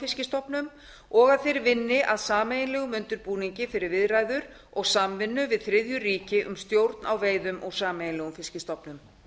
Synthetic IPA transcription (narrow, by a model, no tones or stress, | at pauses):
fɪscɪst̪ɔpnʏm | ɔɣaðθejɾvɪnːɪʔaðsaːmejɪnlɛːɣʏmʏnt̪ʏɾpuːniɲcɪfɪɾɪɾvɪðraːjðʏɾ | ɔɣsamvɪnːʏvɪðθɾɪðjʏriːcɪʔʏ̰mst̪jowɾt̪nawveːjðʏmʔɔɣsaːmejɪnlɛɣʏnfɪscɪst̪ɔpnʏm